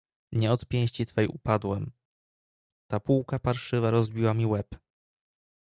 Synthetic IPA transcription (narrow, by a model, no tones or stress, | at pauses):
ɲɛɔt̪pʲjɛ̃ɕt͡ɕit̪fɛjṵpad̪wɛm | t̪apuwkapaɾʂɘvaɾɔzbʲiwamʲiwɛp